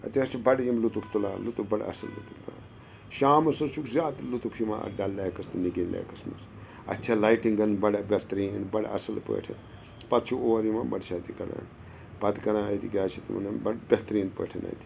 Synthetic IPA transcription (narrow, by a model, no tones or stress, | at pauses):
ɐt̪iɐst͡ʃʰibɐɽjimlut̪upʰt̪ulaːlut̪ubɐɽ̰ɐ̰sɐlːṵt̪upʰt̪ula | ʃaːmɐsɐsukzaːt̪lut̪upʰimã̰ɐ̰ɖalːaːkɐst̪iniɡinla̰ːkɐsmɐs | ɐ̰t̪ːt͡ʃʰalajʈiŋɡɐnbɐɽabʲet̪ɾiːnbɐɽa̰ɐ̰sɐlpə̰ːʈʰḛ | pɐt̪t͡ʃʰuoːʋɾimabɐɽʃʰat̪ikɐɽa̰n | pɐt̪i̥kɐɾãːɐjt̪ikʲaːt͡ʃʰit̪mɐ̰nembɐbʲet̪ɾiːnpə̰ːʈʰɐnɐ̰jt̪i̥